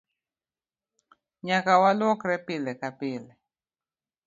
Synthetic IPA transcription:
ɲakawalwɔkɾɛpilɛkapilɛ

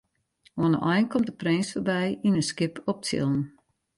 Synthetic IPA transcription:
oənəʔɔjnkɔmtəprɪnsforbɛjinənskɪpʰɔp̚tɪ̰lˠn̩

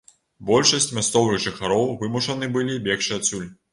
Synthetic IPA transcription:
bɔlʲʂɐsʲt͡sʲmʲast̪sɔvɨxʐɨxaɾɔwvɨmuʂɐnɨbɨlʲibʲɛxʂɨɐsʲulʲ

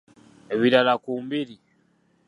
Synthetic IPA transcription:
βiɾalakuːmbiɾi

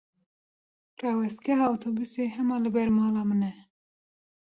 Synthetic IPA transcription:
rɛwɛst̪̚ɡɛɦɑːwt̪ʰoːbyseɦɛmɑːlɨbɛɾmɑːlɑːmɨnɛ

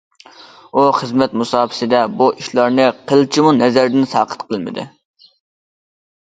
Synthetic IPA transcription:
uχəzmɛt̪musɑːpʰɪ̥sɪd̪ɛbuʔiʃlˠɑɾnɨqʰəlˠt͡ʃʰimunɛzæɾd̪ɪnsɑːqə̥t̪qʰəlˠmɪ̰d̪ɨ̰

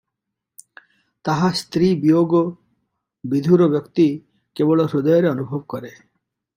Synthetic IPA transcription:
t̪aɦast̪ɾibijoɡo | bid̪ʱuɾobjɔkt̪i | keboɭoɾud̪ajɔɾeɔnubʱobkɔɾe

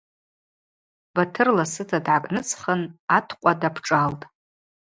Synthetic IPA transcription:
b̥atʰɨrlasɨtʰadʕakʼnɨt͡sʼʰχənatʰqʷʼadapʰʈ͡ʂʼaltʼ

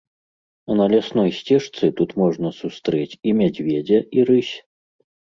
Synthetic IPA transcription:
nɐlʲasnɔjsʲt͡sʲɛʂt̪sɨt̪ut̪mɔʐnɐsust̪ɾɛt͡sʲimʲad͡zʲvʲed͡zʲɐʔiɾɨsʲ

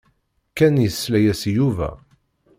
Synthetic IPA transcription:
kænjəsːlæjæsjuvæ̰

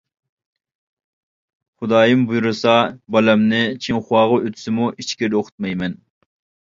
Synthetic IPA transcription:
χud̪ɑːjɨmbujuɾɨsɑbɑlɛmnɪt͡ʃʰiŋχʊwɑːʁəøt̪ʰy̥sɪmuʔit͡ʃkʲiɾd̪ɛoqʰʊ̥t̪̚mɑjmɛn

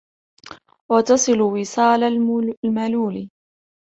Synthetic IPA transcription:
wat̪ɑsˤɨlʊwɪsˤɑːlalmaluːli

